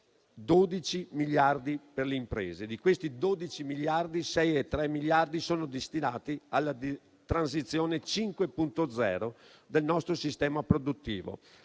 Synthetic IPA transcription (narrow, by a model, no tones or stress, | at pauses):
d̪od̪it͡ʃimiʎjard̪iperleimpɾḛːzed̪ikwest̪id̪oːd̪it͡ʃimiʎjard̪isɛjɛt̪ːɾɛmiʎjard̪isoːnod̪est̪inaːt̪ialːad̪ | t̪ɾans̬it̪sːjoːnet͡ʃiŋkwepunt̪od̪zɛ̰ːɾo | d̪elnɔst̪ɾosist̪ɛːmapɾod̪ut̪ːḭːvo̰